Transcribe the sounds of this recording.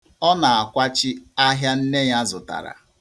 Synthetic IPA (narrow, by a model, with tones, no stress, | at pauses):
ɔ˦na˨a˨kʷa˦t͡ʃɪ˦a˦ɦja˦n̩˦ne˦ɲa˦zʊ˨ta̰˨ɾa̰˨